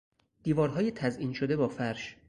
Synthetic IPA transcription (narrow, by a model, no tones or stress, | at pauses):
d̪̥iːvɒːɾɦɒːjet̪ʰæzʔiːnʃod̪ebɒːfæɾʃ